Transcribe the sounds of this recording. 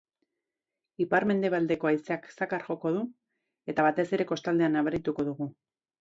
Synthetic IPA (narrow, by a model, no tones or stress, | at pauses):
ipaɾme̞nd̪e̞β̞ald̪e̞ko̞ajseaksakaɾʝo̞ko̞ð̞u | e̞t̪aβat̪e̞se̞ɾe̞ko̞st̪ald̪e̞anːaβeɾit̪uko̞ðuɣu